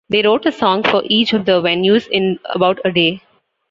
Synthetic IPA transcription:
d̪eːɾoːʈəsɔ̃ːŋɡfɔɾʔiːt͡ʃɔʋd̪əʋɛnjuːzɪ̃nə̰baʊʈəɖeː

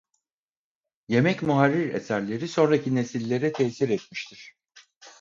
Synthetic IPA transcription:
je̞mɛcmuɦaɾːiɾḛsæɾlʲe̞ɾiso̞nɾacʰine̞silʲːe̞ɾɛt̪ʰɛsiɾɛt̪miʃt̪ʰiɾ̥

